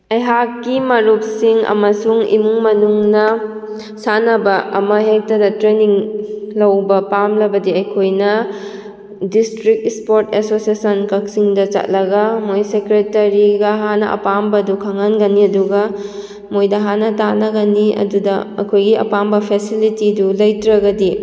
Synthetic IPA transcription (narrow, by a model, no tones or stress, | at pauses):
ɐjɦakːimɐɾup̚siŋɐ̰mɐsuŋḭmuŋmɐnuŋnɐ | sanɐbɐɐmɐɦek̚tɐdɐtɾeniŋlɐwbɐpamlɐbɐdiɐjkʰojnɐ | distɾik̚spoɾtesosiesɐnkɐk̚siŋdɐt͡ʃɐ̰t̚lɐɡɐmojsekɾetɐɾiɡɐɦanɐ̰ʔɐ̰pambɐdukʰaŋanɡɐniɐduɡɐ | mojdɐɦanɐtanɐɡɐniɐ̰dudɐɐ̰kʰojɡiɐ̰pambɐpʰesilitidulɐjtɾɐɡɐdi